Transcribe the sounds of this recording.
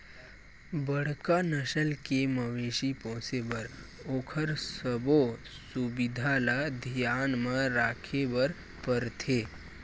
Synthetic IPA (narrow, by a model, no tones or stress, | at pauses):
bəɽ̤kanəʃəlkemɐʋeːʃipõːsebɐɾoːkʰəɾsəbo | subɪd̪ʱalad̪ʱijaːnmə̃ɾaːkʰebəɾ | pəɾt̪ʰeː